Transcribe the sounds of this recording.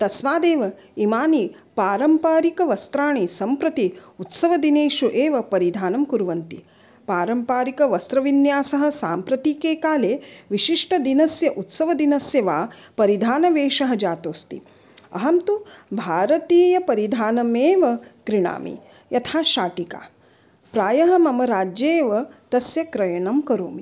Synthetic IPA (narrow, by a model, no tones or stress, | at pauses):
t̪ɐsʋaːd̪eːʋɐ | imaːni | paːɾɐmpaːɾikɐʋɐst̪ɾaːɳisɐmpɾɐt̪iut̪sɐʋɐd̪ineːʃuʔeːʋɐpɐɾid̪ʱaːnɐmkuɾuʋɐnt̪i | paːɾɐmpaːɾikɐʋɐst̪ɾɐʋinjaːsɐɦɐ̆saːmpɾɐt̪iːkeːkaːleːʋiʃiʂʈɐd̪inɐsjɐʔut̪sɐʋɐd̪inɐsjɐʋaːpɐɾid̪ʱaːnɐʋeːʃɐɦɐd͡ʒaːt̪oːst̪ḭ | ɐ̰ɦɐmt̪ubʱaːɾɐt̪iːjɐpɐɾid̪ʱaːnɐmeːʋɐkɾiɳa̰ːmḭ | jɐt̪ʰaːʃaːʈika̰ː | pɾaːjɐɦɐmɐmɐɾaːd͡ʒjeːʋɐt̪ɐsjɐkɾɐjɐɳɐmkɐɾoːmi